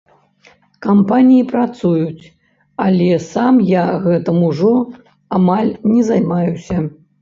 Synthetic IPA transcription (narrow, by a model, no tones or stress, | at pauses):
kampanʲijipɾat̪sujut͡sʲ | alʲɛsamjaɣɛt̪ɨmuʐɔ | amalʲnʲɛzajmajusʲɐ